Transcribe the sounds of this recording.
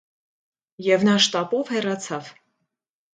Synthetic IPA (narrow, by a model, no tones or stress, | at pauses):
jɛvnɑʃt̪ɑpɔvhɛrɑt͡sʰɑv̥